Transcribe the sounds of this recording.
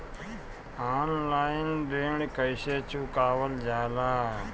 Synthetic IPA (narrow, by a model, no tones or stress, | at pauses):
aːnlaːɪndeːɳ̃kəɪʃeːt͡ʃuːkaːʋəld͡ʒaːlaː